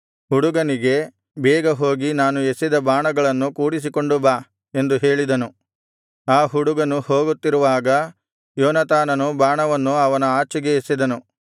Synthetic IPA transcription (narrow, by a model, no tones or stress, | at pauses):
huɽuɡɐniɡe̞ | bɛːɡɐɦo̞ːɡinaːnuesid̪ɐbaːɳɐɡɐɭɐnːukuːɽis̬iko̞ɳɖubaː | e̞nd̪uɦe̞ːɭid̪ɐnu | aːɦuɽuɡɐnuhoːɡut̪ːiɾuʋaːɡɐ | joːnɐt̪aːnɐnubaːɳɐʋɐnːuɐʋɐnɐaːt͡ʃiɡe̞esid̪ɐnu